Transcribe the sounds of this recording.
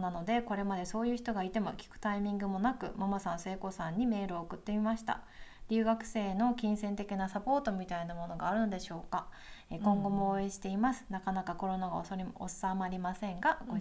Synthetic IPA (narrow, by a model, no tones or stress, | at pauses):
nano̞d̪e̞ko̞ɾe̞mad̪e̞so̞ːjɯ̟ːçi̥t̪o̞ɡait̪e̞mo̞kʲi̥kɯ̟̥t̪aimʲĩŋɡɯ̟mo̞nakɯ̟̰mamasãñse̞ːko̞sãɲ̟ːime̞ːɾɯ̟o̞ːkɯ̟t̪ːe̞mimaɕi̥t̪a̰ | ɾʲɨːɡakɯ̟̥se̞ːno̞kʲĩɰ̃sẽ̞nt̪e̞kʲinasapo̞ːt̪o̞mʲit̪ainamo̞no̞ɡaːɾɯ̟no̞d̪e̞ɕo̞ːka | ekõ̞ŋɡo̞moːe̞ɕi̥t̪e̞imasɨ̥nakanakako̞ɾo̞naɡa̰osɾosamaɾʲimasẽ̞ŋɡaɡo